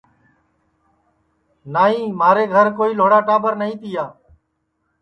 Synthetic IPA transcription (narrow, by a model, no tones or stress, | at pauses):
naːĩːmaːɾeːɡʱəɾkoːiːloːɽaːʈaːbəɾnəĩːt̪ɪjaː